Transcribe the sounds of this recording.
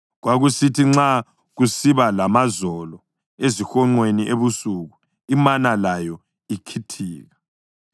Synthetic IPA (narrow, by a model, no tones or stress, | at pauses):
ɣwaɣusitʰiŋ͡ǁa | ɣusiβalamazɔlɔ | ezixɔŋ͡ǃweniʔeβusuɣu | imanalajɔ | ikʰitʰiːɣa